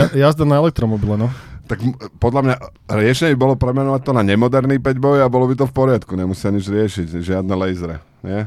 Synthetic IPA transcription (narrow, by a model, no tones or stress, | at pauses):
jazd̪anaɛlɛk̚t̪ɾɔmɔbilɛnɔt̪aɡmpɔd̪lamɲa | ɾɪɛʃɛɲɛbibɔlɔpɾɛmɛnɔʋac̚t̪ɔnaɲɛmɔd̪ɛɾniːpɛɟbɔjabɔlɔbit̪ɔfpɔɾɪat̪kuɲɛmusɪaɲid͡ʒɾɪɛʃicʒɪad̪nɛlɛjzɾɛ | ɲɪɛ